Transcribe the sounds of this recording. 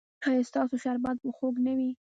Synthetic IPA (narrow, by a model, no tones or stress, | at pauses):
xɑjest̪ɑsoʃaɾbɑd̪̚pəxoɡnəwi